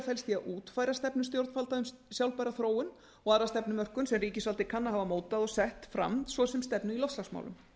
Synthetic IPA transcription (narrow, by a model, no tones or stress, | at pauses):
fɛlst̪iaðʔuːt̪faːjɾast̪ɛpnʏst̪jowɾt̪falt̪aʏm | sjawlpajɾaθɾoːwʏn | ɔɣaðɾast̪ɛpnʏmœr̥kʏnsɛmriːcɪsvalt̪ɪkʰanːaɦavamoːwt̪aðɔɣsɛht̪fɾa̰msvɔsɛmst̪ɛpnʏilɔft̪lasma̰wlʏ̰m